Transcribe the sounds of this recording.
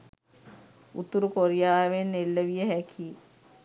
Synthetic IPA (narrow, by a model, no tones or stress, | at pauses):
ṵt̪uɾukoɾijaːʋenːelːəʋijəɦækʰi